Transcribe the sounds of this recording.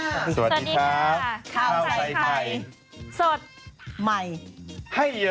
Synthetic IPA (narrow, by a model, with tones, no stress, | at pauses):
sa˧wa˨˩diːdi˧kʰa˦˥kʰa˧˩aː˧˩wa˧˩ja˧˩j | so˨˩t̪̚ma˧˩jha˥˩jː